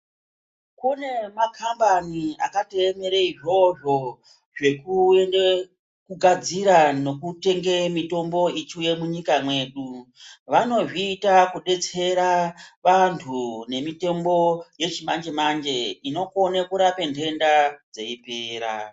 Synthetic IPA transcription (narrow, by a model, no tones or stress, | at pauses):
kune̞makʰambania̰kateeme̞ɾeiʐo̞ʐo̞ | ʐe̞kuende | kuɡʱad͡ziɾano̞kute̞ŋɡe̞mito̞mbo̞it͡ʃuje̞muɲikamwe̞ːɗuʋano̞ʐiːtakuɗe̞t͡se̞ɾaʋantʰune̞mite̞mbo̞je̞t͡ʃimand͡ʒe̞mand͡ʒe̞ino̞konekuɾapentʰe̞ndad͡ze̞ipeːɾa̰